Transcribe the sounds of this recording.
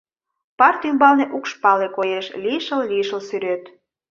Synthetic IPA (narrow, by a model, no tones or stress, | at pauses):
pɑrt̪ymbɑlneʔukʃpɑlekojeʃlʲiʃəlliʃəlsyɾøt̪